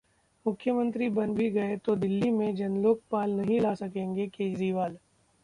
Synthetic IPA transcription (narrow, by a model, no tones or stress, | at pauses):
mʊkʰːjəmə̃nt̪ɾibɐnbʱiɡɐet̪od̪ɪlːimẽd͡ʒɐnloːk̚paːlnɐɦĩlaːsɐkẽːŋɡekeːd͡ʒɾiːʋaːl